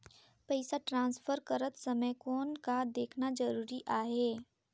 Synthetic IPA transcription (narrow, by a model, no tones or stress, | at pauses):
pɛɪsaʈɾãːnsfəɾkəɾət̪sɐməjkɔːnkad̪eːkʰnazɐɾuːɾiʔaːɦeː